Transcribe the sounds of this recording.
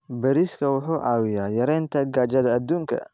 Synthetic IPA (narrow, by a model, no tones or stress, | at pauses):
bɐɾiskʰɐwʊħuːʔɑːwɪjaːjɐɾɛjnt̪ʰɐɡaːt͡ʃɐðɐːd̪uːŋkʰɐ̰